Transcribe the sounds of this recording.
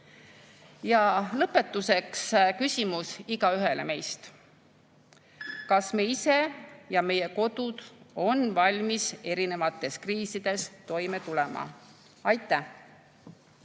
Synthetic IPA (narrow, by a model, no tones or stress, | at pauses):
jɑlɤpːe̞t̪ːˑuse̞kskysʲimusiɡ̥ɑyɦe̞le̞me̞jst̪ | kɑsmeise̞jɑme̞je̞ko̞d̪̥ud̪̥o̞nvɑlʲmise̞ɾine̞vɑt̪ːˑe̞skriːsid̪̥e̞st̪o̞jme̞t̪ulemɑ̰ | ɑjt̪ːˑæh